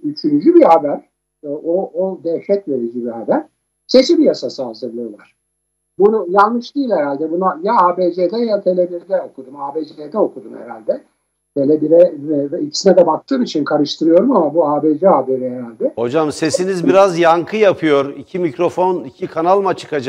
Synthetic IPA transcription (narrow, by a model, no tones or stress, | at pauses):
yt͡ʃʰynd͡ʒybihabæɾ | ood̪ɛʃɛt̪ve̞ɾid͡ʒibihɦabæɾ̥ | se̞t͡ʃibijasasɯazɯɾlˠɯjo̞lˠaɾ̥ | bunujalˠnɯʃd̪iːlʲheɾalʲd̪ɛbunajaaːbed͡ʒed̪ɛjaat̪ʰe̞lʲe̞biɾd̪ɛo̞kʰud̪umaːbeːd͡ʒeed̪ɛo̞kʰud̪umhḛɾalʲd̪ɛ | t̪ʰe̞lʲebiɾɛɛvɛicʰi̥sinɛd̪ɛbak̚t̪ʰːɯːmit͡ʃʰinkʰaɾɯʃt̪ʰɯɾɯjo̞ɾumamabuaːbed͡ʒɛɦaːbe̞ɾiɦeɾalʲd̪ɛho̞d͡ʒamse̞sinizbiɾazjaŋkʰɯjapʰɯjo̞ɾicʰimicɾo̞fo̞nicʰikʰanalˠmat͡ʃʰɯ̥kad͡ʒa